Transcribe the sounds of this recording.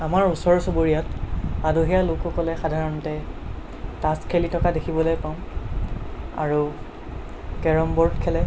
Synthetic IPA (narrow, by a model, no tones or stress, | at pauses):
amaɹusɔɹsoboɹijɔtadoɦijalʊkʊkɔlɛxadʱaɹɔntɛ | taskʰelitʰɔkadekʰibɔlojpãm | a̰ɹu | kɛɹɔmbɔɹtkʰɛlɛ